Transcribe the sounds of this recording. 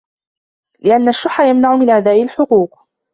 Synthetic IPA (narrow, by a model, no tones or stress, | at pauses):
lɪʔanːaʃːʊħːajamnaʕʊmɪnʕad̪aːbɪlħʊquːq